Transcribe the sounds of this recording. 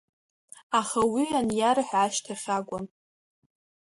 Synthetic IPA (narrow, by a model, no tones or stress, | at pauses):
aχawianjaɾaħʕaʃtʰaχʲaɡʷan